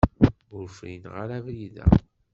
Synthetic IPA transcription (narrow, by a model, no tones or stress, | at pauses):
ʊɾfɾḭnʁaɾævɾiðæ̰